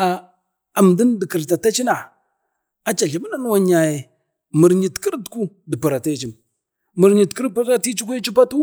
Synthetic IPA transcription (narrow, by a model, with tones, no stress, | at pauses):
a˨ | a˨m˨di˦n˦də˨ki˨ɾta˨ta˦t͡ʃi˦na˨ | a˨t͡ʃa˨ɬi˨mə˦na˦n˦wa˨ɲa˨je˨ | mə˨ɾɲi˨tki˦ɾtku˦ | də˨pu˨ɾa˨ta˦t͡ʃi˨m | mə˨ɾɲi˨tki˦ɾpu˦a˦ti˦t͡ʃi˦ku˦ji˦t͡ʃi˦pa˦tu˦